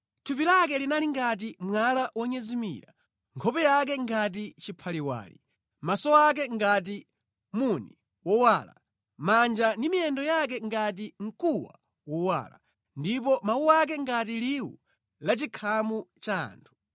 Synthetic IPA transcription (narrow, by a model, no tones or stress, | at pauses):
tʰupilakɛlinaliŋɡat̬imwalaʔwɔɲɛzimḭɾa̰ | ŋkʰɔpɛjak̬ɛŋɡat̬it͡ʃipʰaliwa̰ːlḭ | masɔak̬ɛŋɡat̬i | muni | wɔwala̰ | mand͡ʒandimiɛndɔjak̬ɛŋɡat̬iŋ̩kuwa̰ | wɔwa̰la̰ | ndip̬ɔmawuwak̬ɛŋɡat̬iliwṵ | lat͡ʃikʰamut͡ʃaːntʰu̥